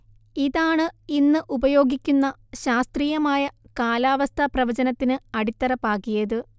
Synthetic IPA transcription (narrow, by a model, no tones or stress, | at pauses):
iðaːɳɨinːɨʔubɐjo̞ːɡikʲːunːɐɕaːst̪riːjɐmaːjɐkaːlaːʋɐst̪ʰɐprɐʋɐd͡ʑɐnɐt̪ːinɨɐɽit̪ːɐrɐpːaːkijɐðɨ